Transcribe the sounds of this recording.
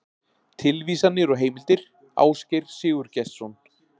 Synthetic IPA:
t̪ʰɪlviːsanːɪɾɔɣɦeːjmɪlt̪ɪɾ̥ | a̰ːwscɪjɾ̥sɪːɣʏɾ̥cɛst̪sɔnt̪

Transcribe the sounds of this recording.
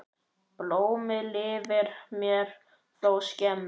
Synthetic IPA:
ploːwmɪlɪːvɪɾ̥mjɛɾ̥ | θowscɛm

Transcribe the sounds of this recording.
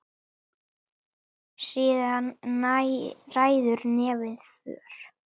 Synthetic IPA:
siːðan | raːjðʏɾnɛːvɪðfœ̰ːɾ̥

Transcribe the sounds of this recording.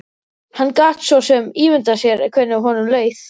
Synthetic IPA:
hanːkaːt̪svɔsɛmiːvʏnt̪asjɛɾɛkʰvɛːnaɦɔːnʏmleːɥθ

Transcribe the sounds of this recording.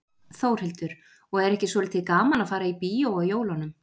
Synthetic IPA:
θowɾ̥hɛlt̪ʏɾ̥ | ɔɣɛɾɛhcɪsvɔːlɪt̪ʰːɪkaːmanaðfaːɾaipiːjowajoːwlanʏm

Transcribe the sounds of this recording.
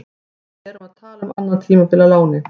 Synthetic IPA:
ɛɾʏmaðt̪ʰaːlamanːant̪ʰiːmapɪlalaːwnɪ

